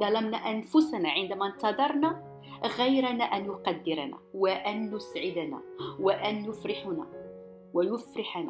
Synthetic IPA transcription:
d̪ˤɑlɑmnaʔænfʊsanaʕɪnd̪æmænt̪ɑd̪ˤɑɾˤna | ɣæjɾanaʔænjʊqɑd̪ːɪɾanæ̰waʔænjʊsʕɪd̪ænæ̰waʔænjʊfɾɪħʊnæ̰ | wæjʊfɾɪħanæ̰

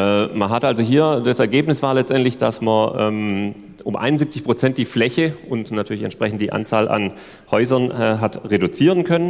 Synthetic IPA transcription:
ɛmɐnɦatʔalzoɦiːɐdasɛɐɡeːpnɪsv̥aːɐlɛt͡stʔɛntlɪçd̥asmɐʔɛːm | ʔʊmʔa̰ɪnʊnzip̚t͡sɪçpʁ̥ot͡sɛnt̚d̥iːflɛçəʊntnatʰyːɐlɪçɛ̰ntʃpʁ̥ɛç̬n̩td̥iːʔa̰nt͡saːlʔa̰n | hɔʏzɐnɛːɦatʁedut͡siːʁənkʰœnən

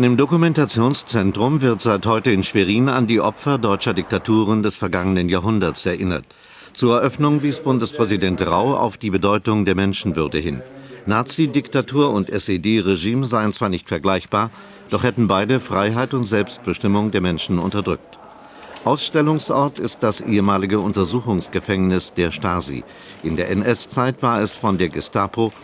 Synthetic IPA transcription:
ʔanɪmdokumɛntat͡sjoːnst͡sɛntʁ̥ʊmvɪɐtz̥aɪthɔʏtəɪnʃv̥eʁ̞iːna̰ndiːʔɔpfɐdɔʏt͡ʃɐdɪk̚tatʰuːʁ̞əndɛsfɛɐɡaŋənənjaːɦʊndɐtsɛɐʔɪnɐ̰t | t͡suːɐɛɐʔœfnʊŋbiːsb̥ʊndəspʁ̥ɛzidɛntʁa̰ʊʔa̰ʊfd̥iːbədɔʏtʊŋdeːɐmɛnʃn̩vʏɐdəhɪnnːaːt͡sidɪktatʰuːɐʊntʔɛseːdeːʁeʒiːmzaɪənt͡sv̥aːɐnɪçtfɛɐɡlaɪçb̥aːɐ | d̥ɔχhɛtn̩baɪdəfʁ̥aɪɦaɪtʊntz̥ɛlpst̚b̥əʃtɪmʊŋdeːɐmɛnʃn̩ʊ̰ntɐdʁʏk̚t | ʔaʊsʃtɛlʊŋsʔɔɐtɪst̚d̥asʔḛːəmaːlɪɡəʊntɐzuːxʊŋsɡ̥əfɛŋnɪsd̥eːɐʃtaːzḭ | ʔɪndeːɐʔɛnʔɛst͡saɪtv̥aːɐɛsfɔndeːɐɡɪstʰaːpʰo

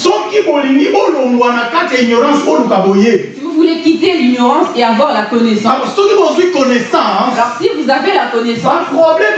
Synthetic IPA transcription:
sɔkibolinibolomwanakataiɲɔʁɑ̃solukabojesivuvulekiteliɲɔʁɑ̃seavwaʁlakɔnesɑ̃ɔsɔ̃kibozwikɔnɛsãlɔsivuzavelakɔnesɑ̃pʁɔblɛ

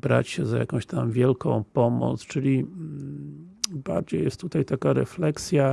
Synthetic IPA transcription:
bɾa̰t͡ɕɕɛzaja̰kɔ̃w̃ɕt̪amvʲjɛlkɔ̃w̃pɔmɔ̰t̪st͡ʂɘlʲi | baɾd͡ʑejɛst̪t̪ːut̪ajt̪akaɾɛ̰flɛksʲja

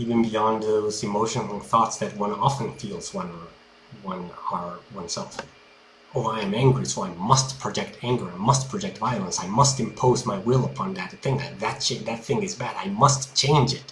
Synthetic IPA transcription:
ivɨ̃nbiɑ̃nðoʊzɨmoʊʃɨ̃nl̩ˠθɔtsðɨt̚wʌ̃nɑfə̃nfilˠzwʌ̃nə˞ | wʌ̃nə˞wʌ̃nsɛlˠf | oʊaɪɨ̃mæ̃ŋɡɹisoʌãnmʌstpʰɹ̥ɨd͡ʒɛk̚tʰæ̃ŋɡə˞ɨ̃nmʌst̚pʰɹ̥ɨd͡ʒɛk̚tvaɪɨl̩ˠə̃nsaɪmʌstɨ̃mpʰoʊzmaɪwɪlˠəpʰɑ̃nðɨtɨθɪ̃ŋðɨt̪̚ðɨt̚t͡ʃeðɨt̪̚θɪ̃ŋɨzbæɾaɪmʌstt͡ʃʰẽɪ̃nd͡ʒɪt̚

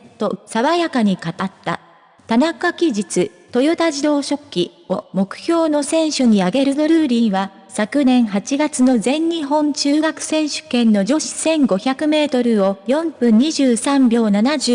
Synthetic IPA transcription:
t̪o̞saβajakaɲ̟ikat̪at̪ːa̰ | t̪anakakʲiʑit͡sɨ | t̪o̞jot̪aʑid̪o̞ːɕo̞kʲːi | o̞mo̞kɯ̟̥çʲo̞ːno̞sẽ̞ɰ̃ɕoɲ̟iaɡe̞ɾɯ̟d̪o̞ɾɯ̟ːɾʲĩɰ̃βa | sakɯ̟nẽ̞ɰ̃ɦat͡ɕiɡat͡sɨno̞zẽ̞ɲɲiɦõ̞nt͡ɕɨːɡakɯ̟̥sẽ̞ɰ̃ɕɨ̥kẽ̞nːo̞d͡ʑo̞ɕi̥sẽ̞ŋɡo̞çakɯ̟me̞ːt̪o̞ɾɯ̟o̞jõ̞mpɯ̟̃ɲ̟ːiʑɨːsãmbʲo̞ːnanaʑɨ

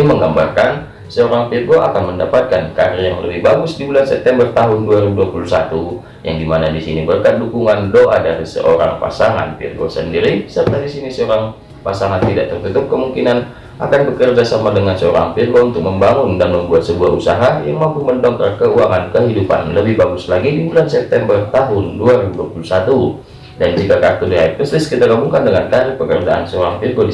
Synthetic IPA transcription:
iməŋɡambarkan | səoɾaŋpirɡoʔa̰kanməndapat̪̚kankaɾɪjaŋləbɪhbaɡʊsdibulansɛp̚t̪ɛmbərt̪aɦʊnduaɾibuduapulusat̪u | jaŋdimanadisinibərkat̪̚dukuŋandoʔadaɾisə̰ʔoɾa̰ŋpa̰saŋa̰npḭrɡo̰səndiɾisərt̪adisinisəoɾaŋ | pasaŋant̪idaʔ̚t̪ərt̪ut̪ʊp̚kəmuŋkinan | ʔa̰kanbəkərd͡ʒasamadəŋansəoɾa̰ŋpirɡount̪ʊk̚məmbaŋʊndanməmbuat̪̚səbuaɦusaɦajaŋmampuməndɔŋkəkəuaŋankəɦidupa̰nləbɪhbaɡʊslaɡidibulansɛp̚t̪ɛmbərt̪aɦʊnduaɾibuduapulusat̪u | dand͡ʒikakat̪udiait̚əslɪskit̪aɡamuŋkandəŋant̪aɾɪpəkərd͡ʒaʔa̰nsəoɾaŋpirɡodi

